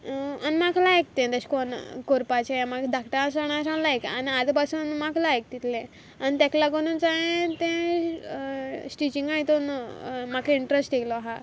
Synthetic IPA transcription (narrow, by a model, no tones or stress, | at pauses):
anmakʰlak̚t̪ẽd̪əɕkonkoɾpat͡ɕeamakd̪ʱakʈaasəɳ̃asãlajka̰niad̪pasuːnmaklajk̚t̪it̪lẽ | anit̪aklaɡonunt͡saɦẽt̪ẽ | sʈit͡ɕiŋɡait̪onmakʰiɳʈɾesʈeklɔɦa